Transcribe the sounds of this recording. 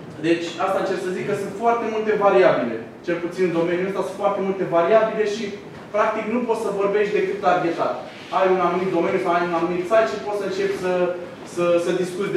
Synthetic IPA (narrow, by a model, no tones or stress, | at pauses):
d̪e̞t͡ʃʲast̪at͡ʃe̞bsəzikːəsɨnt̪foart̪e̞mult̪e̞vaɾiabile̞̰ | t͡ʃe̞lput̪sind̪o̞me̞njuəst̪asɨnfoart̪e̞mult̪e̞vaɾiabile̞ʃi | pɾak̚t̪iknupo̞t̪səvo̞rbe̞ʃt̪ʲd̪e̞kɨt̪laɡʲet̪a̰t̪ | ajunanumit̪̚d̪o̞me̞njusawajunanumit̪sajt̪ʃipo̞t̪səɨnt͡ʃe̞pʲsə | səsəd̪iskut̪sʲ